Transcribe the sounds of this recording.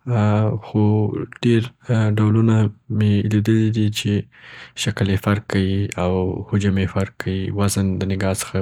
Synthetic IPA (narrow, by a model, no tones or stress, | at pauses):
xoɖ̥eɾɖawlunameled̪əlid̪it͡ʃeʃakəlefaɾkʰːawiawhʊd͡ʒamefaɾkʰːawiwazənd̪ənɪɡɑsə̥xa